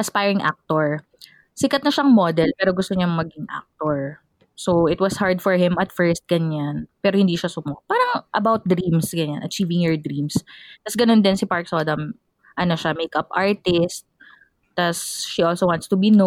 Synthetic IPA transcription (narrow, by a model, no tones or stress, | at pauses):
ʔɐspajɹɪŋʔa̰k̚t̪oɹ | sɪkɐt̪̚nɐʃɐŋmod̪ɛlpɛːɾoɡʊst̪oɲɐŋmɐɡɪŋʔa̰k̚t̪oɹ | soɪt̪̚wɐshaɹd̪fɔɹhɪmɐt̪fɛɹst̪̚ɡ̥ɐɲanpɛːɾohɪnd̪iːʃɐsʊmopaːɾɐŋʔɐ̰bawt̪̚d̪ɾĩmsɡɐɲanʔɐt͡ʃiːvɪŋhɛɹd̪ɾimst̪ɐsɡɐnond̪ɪnsɪpaɹksod̪ɐm | ʔɐnoʃɐmejkɐpʔaɹt̪ɪst̪̚ː | ɐsʃiolsowãnt̪st̪ʊbino